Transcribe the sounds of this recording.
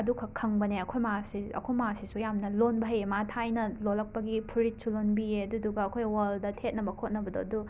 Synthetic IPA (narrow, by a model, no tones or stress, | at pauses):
ɐdukʰɐkʰɐŋbɐneɐkʰojmasiɐ̰kʰojmasisujamnɐlonbɐɦɐjematʰajnɐlolɐk̚pɐɡipʰuɾit̚sulonbieɐduduɡɐɐkʰojwaldɐtʰet̚nɐbɐkʰot̚nɐbɐdo̰ɐdu